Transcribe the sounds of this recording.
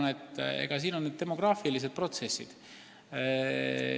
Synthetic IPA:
net̪ːe̞̰ɡ̥ɑsiːnonːed̪̚t̪e̞mo̞ɡ̥rɑːfilis̬e̞d̪̚pro̞t̪sesːḭd̪̥

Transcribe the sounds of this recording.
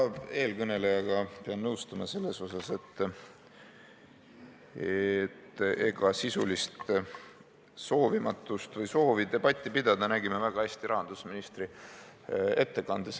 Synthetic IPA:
e̞ːlkɤne̞le̞jɑɡ̥ɑpeɑnnɤwst̪ɑmɑse̞lːe̞so̞sɑse̞t̪ː | et̪ːe̞ɡ̥ɑsisulist̪ | so̞ːvimɑt̪ˑːust̪vɤjso̞ːvid̪̥e̞b̥ɑt̪ʲˑːipid̪̥ɑd̪̥ɑnæɡimevæɡ̥ɑhæsʲt̪iɾʔɑɦɑnd̪usminist̪ri | e̞t̪ːe̞ɡɑnd̪̥es

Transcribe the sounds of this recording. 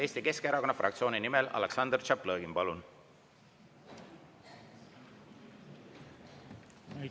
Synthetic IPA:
e̞ːst̪ike̞skeeɾɑko̞nːɑfrʔɑ̰kt̪sio̞ːninimelɑ̰leksɑnd̪rt͡ʃɑplɤːɡimpɑlun

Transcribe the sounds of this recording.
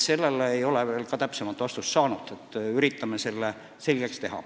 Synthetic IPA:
se̞lːeleejo̞leveːlkɑt̪æpsemɑt̪ːˑvɑst̪ust̪sɑːnud̪̥et̪ːˑyɾit̪ːɑmese̞lːe | se̞lʲɡ̥ekst̪e̞ɦɑ̰

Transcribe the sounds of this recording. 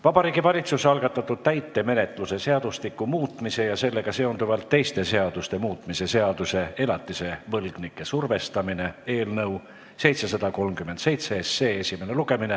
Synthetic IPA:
vɑbɑɾiːɡ̥ivɑlʲit̪susɑlɡ̥ɑt̪ːˑɑt̪ːˑud̪̥̚t̪æjt̪ːe̞me̞ne̞t̪ˑluse̞se̞ɑd̪̥ust̪ikːˑumuːt̪ˑmise̞jɑse̞lːe̞ɡ̥ɑse̞ond̪uvɑlt̪ːe̞jst̪e̞se̞ɑd̪̥ust̪e̞muːt̪ˑmise̞se̞ɑd̪̥use̞e̞lɑt̪ːˑise̞vɤlɡ̥nikːˑe̞surve̞st̪ɑmine̞e̞ːlnɤw | se̞jt̪se̞sɑd̪̥ɑko̞lmkymend̪se̞jt̪seese̞ːe̞sime̞ne̞luɡ̥e̞mine

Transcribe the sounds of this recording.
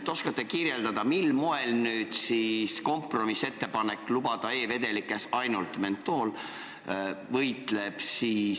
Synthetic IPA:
t̪ːo̞skɑt̪ːˑekirjeld̪ɑd̪̥ɑmilmoelnyːd̪̥sisko̞mpro̞misːe̞t̪ːe̞pɑne̞kːˑlubɑd̪̥ɑe̞ːve̞d̪̥e̞likːˑe̞sɑjnult̪me̞nt̪ːˑo̞ːl | vɤjt̪ˑle̞b̥siː

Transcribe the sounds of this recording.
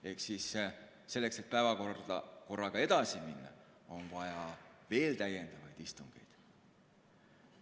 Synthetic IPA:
e̞ksis | se̞lːe̞kse̞t̪̚pæevɑko̥ɑ̰ko̞rːɑɡ̥ɑe̞d̪̥ɑsiminːɑ̰ | o̞nvɑjɑve̞ːlt̪æje̞nd̪̥ɑvɑjd̪̥ist̪uŋɡ̥e̞̰jd̪̥

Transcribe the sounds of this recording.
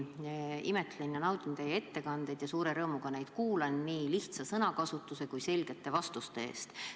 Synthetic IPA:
ḭme̞t̪lenjɑnɑwd̪ʲint̪eje̞t̪ːe̞kɑnd̪̥e̞jd̪̥jɑsuːɾe̞ɾɤːmuɡ̥ɑne̞jd̪̥kuːlɑnːiːliht̪sɑsɤnɑkɑsut̪ːˑuse̞kujse̞lɡ̥e̞t̪ːe̞vɑst̪ust̪e̞ḛːst̪

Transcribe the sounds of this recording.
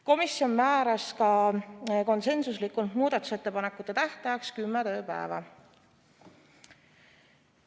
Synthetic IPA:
ko̞misjo̞nmæːɾɑskɑ | ko̞nse̞nsuslikːˑunt̪muːd̪̥ɑt̪ːˑu̥se̞t̪ːe̞pɑne̞kːˑut̪ːˑe̞t̪æht̪ɑjɑkskymːet̪ø̞ːpæ̰evɑ̰

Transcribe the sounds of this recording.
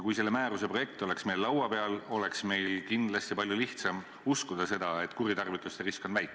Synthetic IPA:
kujse̞lːe̞mæːɾuse̞pro̞jek̚t̪o̞le̞ksme̞llɑwɑpe̞ɑlo̞le̞ksme̞jlkind̪lɑst̪ipɑlʲjuliht̪sɑm | uskud̪̥ɑse̞d̪̥ɑe̞t̪ːˑkuɾit̪ɑrvit̪ːˑust̪eriskonvæjk̪ːˑ

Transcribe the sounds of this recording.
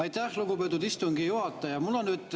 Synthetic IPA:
ɑjt̪æhluɡupet̪̬ːˑud̪ist̪uŋɡ̥ijuhɑt̪ːˑɑjɑmulːonnyːd̪

